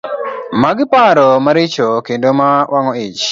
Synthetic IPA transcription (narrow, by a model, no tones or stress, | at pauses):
maɡɪpaɾɔmaɾɪt͡ʃokendomawʔaŋɔit͡ʃ